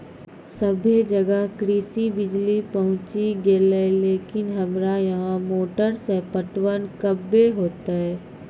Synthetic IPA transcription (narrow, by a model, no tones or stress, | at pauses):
sɐbʱed͡ʒɐɡəɦkɾiːsibɪd͡ʒlipɐɦʊ̃t͡ʃiɡeːleleːkɪnɦɐmɾajɐɦãmoːʈəɾsepəʈwənkɐbːeɦoːt̪aɦɛː